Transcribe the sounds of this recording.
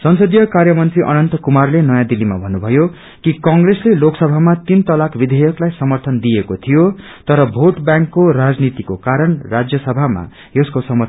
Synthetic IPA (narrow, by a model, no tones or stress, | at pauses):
sʌnsʌd̪ijʌkarjʌmʌnt̪riʔʌ̰nʌnt̪ʌkumarlenʌjãd̪ilːima̰bʱʌnubʱʌjo | kikʌŋɡresleloksʌbʱamat̪int̪ʌlakbid̪ʱejʌklajsʌmʌrt̪ʰʌnd̪ijekot̪ʰijo | t̪ʌɾʌbʱoʈbjãŋkːoɾad͡znit̪ikokaɾʌnrad͡zjʌsʌbʱama̰ | eskosʌmʌ